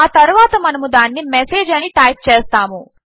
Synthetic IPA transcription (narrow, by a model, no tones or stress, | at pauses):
aːt̪ɐɾuʋaːt̪ɐmɐnɐmud̪aːnːimeseːd͡ʒɐniʈɐjp̚t͡ʃeːst̪aːmu